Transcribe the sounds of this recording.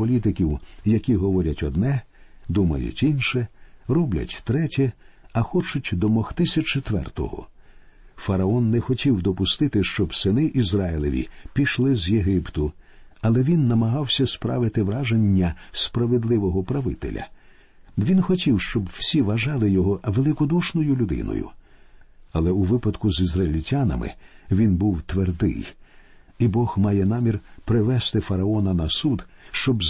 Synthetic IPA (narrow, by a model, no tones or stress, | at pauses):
ɔlʲit̪̬ɪkʲiwjɐkʲiɦɔʋɔɾʲɐtʲɔd̪nɛd̪umɐ̰jʊ̰tʲinʃɛrɔblʲɐ̰tʲt̪ɾɛtʲɛɐxɔt͡ʃʊtʲd̪ɔmɔxt̪ɪsʲɐt͡ʃet̪ʋɛ̰rt̪ɔ̰ɦɔ̰ | fɐɾɐɔnːɛxɔtʲiwd̪ɔpʊst̪ɪt̪ɪʃt͡ʃɔbsɪnɪʔizraɪlˠɔʋʲḭpʲiʃlˠɪzjeɦɪpt̪ʊɐlˠɛʋʲinːɐmɐɦɑwsʲɐspɾa̰ʋɪt̪ɪʋɾaʒenʲːɐspɾɐʋed̪lˠɪʋɔɦɔpɾɐʋɪ̰t̪ḛlʲɐ̰ | ʋʲinxɔtʲiwʃt͡ʃɔbw̥sʲiʋɐʒɑlˠɪjɔɦɔʋelˠɪkɔd̪uʃnɔjʊlʲʊd̪ɪ̰nɔ̰jʊ̰ | ɐlˠɛuʋɪpɐd̪kʊzizrɐilʲitʲanɐ̰mɪ̰ʋʲinbuwt̪ʋerd̪ɪ̰j | ibɔxmɑjɛnɑmʲirpɾɪʋɛst̪ɪfɐɾɐɔnɐnɐsud̪ʃt͡ʃɔbz